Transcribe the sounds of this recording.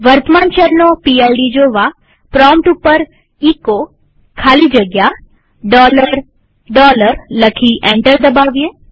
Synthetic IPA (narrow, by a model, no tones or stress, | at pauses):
ʋəɾt̪mant͡ʃəɾnopialɖid͡ʒoʋa | pɾɔmʈupəɾ | iko | kʰalid͡ʒəɡja | ɖɔləɾ | ɖɔləɾləkʰiʔẽɳʈəɾd̪əbaʋje